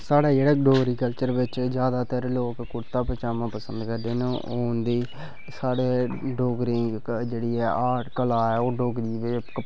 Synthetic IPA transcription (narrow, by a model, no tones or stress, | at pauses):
saːɽaːd͡ʒeːɽaːɖoːɡɾiːkəlt͡ʃəɾʋɪt͡ʃd͡ʒjaːd̪aːt̪əɾloːkkʊɾt̪aːpət͡ʃaːmãːpəsənd̪kəɾd̪eːnõːʔoːnd̪iː | saːɽeːɖoːɡɾĩːd͡ʒeːɽiːɛːʔaːʈkəlaːɛːoːɖoːɡɾiːʋek